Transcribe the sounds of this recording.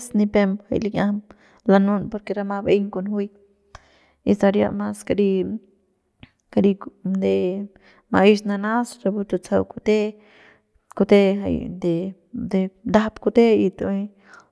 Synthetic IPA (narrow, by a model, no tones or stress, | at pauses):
snipemha̰jliɲam | lanunpoɾkeɾamabejŋkonhij | isaɾja̰ʔmaskaɾi | kaɾid̪e | maʔiʃnanasɾabut̪ot͡sawkut̪e | kut̪eɦa̰jd̪e | d̪ed̪apkut̪eit̪u